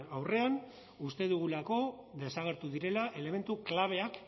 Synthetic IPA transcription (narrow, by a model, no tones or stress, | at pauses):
awre̞an | ust̪e̞ðuɣ̞ulako̞ðe̞saɣe̞ɾt̪uðiɾe̞laʔe̞le̞me̞nt̪uklaβ̞e̞ak